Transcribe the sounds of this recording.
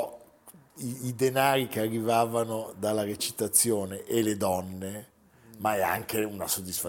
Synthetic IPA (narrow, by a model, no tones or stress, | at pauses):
iːd̪enaːɾikearːivaːvanod̪alːaɾet͡ʃi̥t̪at̪sːjoːneʔeled̪ɔnːe | maɛa̰ŋkeunasod̪ːisfa